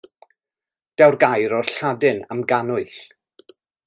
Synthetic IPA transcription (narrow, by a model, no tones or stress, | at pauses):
d̥ɛwrɡajɾɔrɬadɨnamɡanʊɨɬ